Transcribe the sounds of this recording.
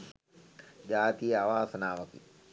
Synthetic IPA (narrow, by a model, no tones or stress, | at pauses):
d͡ʒaːt̪ijəaʋaːsɐnaːʋɐkḭ